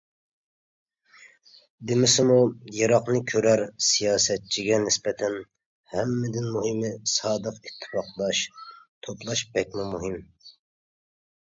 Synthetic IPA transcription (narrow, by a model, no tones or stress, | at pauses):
d̪ɪmɪsɪmujɑɾɑqnɨkʲʰøɾæɾsijɑːsɛt̪̚t͡ʃʰiɡʲɛnɪspɛt̪ʰɛn | hɛmːɪd̪ɪnmuɦɨmɪsɑːd̪əqit̪ʰːɨ̥fɑqlˠɑʃt̪ʰoplˠɑʃbɛkʲmumuɦɪm